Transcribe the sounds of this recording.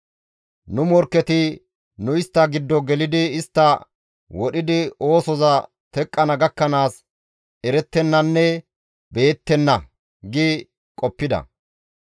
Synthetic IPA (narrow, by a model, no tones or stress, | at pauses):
nʊmɔɾkːɛt̪ɪ | nʊɪst̪ːɐɡɪd̪ːɔɡɛlɪd̪ɪɪst̪ːɐ | wɔɗɪd̪ɪo̞ːsɔzɐ | t̪ɛkʼːɐnɐɡɐkːɐnaːs | ɛɾɛt̪ːɛnːɐnːɛ | be̞ːt̪ːɛnːɐ | ɡi | kʼɔpːɪd̪ɐ̰